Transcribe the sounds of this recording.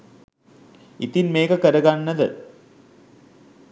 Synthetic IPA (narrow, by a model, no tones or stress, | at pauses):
it̪inmeːkɐkɐɾɐɡanːɐðɨ